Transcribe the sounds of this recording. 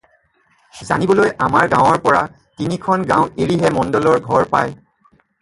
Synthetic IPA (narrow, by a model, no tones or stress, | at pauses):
za̰nibɔlojʔamaɹɡãwɔɹpɔɹa̰ | tinikʰɔnɡã̰ʊ̃eɹiɦɛmɔndɔlɔɹɡʱɔɹpa̰j